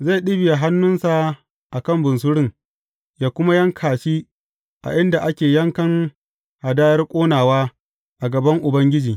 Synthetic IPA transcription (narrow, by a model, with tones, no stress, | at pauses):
za˦˨ɗɪ˦bɪ˨ja˨ɦa˦nːʊ˦nsa˨ | ʔa˨kɐ˦mbʊ˨ns̬ʊ˦ɽɪ˦˨ŋ | jaː˦kʷʊ˦ma˦jɐ˦ŋkʰaː˨ʃiː˦ | ʔa̰˨ʔɪ˦nda˨ʔa˦kʲeː˨jɐ˦ŋkɐ˦ŋ | ha˨daː˦jɐ˦rkʷʼoː˦naː˨waː˦ | ʔa˨ɡɐ˨bɐ˦ŋʔʊ˨bɐ˦ŋɡʲɪ˦d͡ʒiː˨